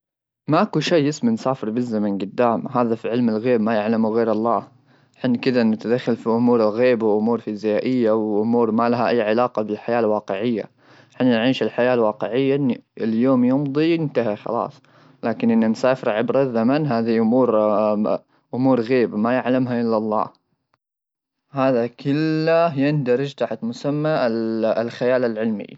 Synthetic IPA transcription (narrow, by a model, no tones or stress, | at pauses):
maʔakuʃeːɪsmansaːfɪɾbɪzːamanɡʊd̪ːaːmɦaːðafiʕɪlmɪlɣeːbmajaʕlamuɣeːɾɑlˤːɑː | ħɪnːkɪd̪anɪt̪ad̪axːalfiʔʊmuːɾɪlɣeːbawʔʊmuːɾfizajaːʔɪjːawʔʊmuːɾmalaɦaʔajːʕalaːqɑbɪlħajaːlwɑːqɪʕɪjːa̰ | ħɪnːnʕiːʃɪlħajaːlwɑːqɪʕɪjːaʔɪnːiɪljoːmjʊmd̪ˤijɪnt̪aɦaxɑ̰lɑ̰ːsˤ | laːkɪnʔɪnːansaːfɪɾʕɪbɾaðamanɦaːðiʔʊmuːɾ | ʔʊmuːɾɣeːbamajaʕlamɦaʔɪlːalˤːɑ̰ː | haːðakɪlːajɪnd̪ɑɾɪd͡ʒt̪aħt̪mʊsamːalxajaːlalʕɪlmḭ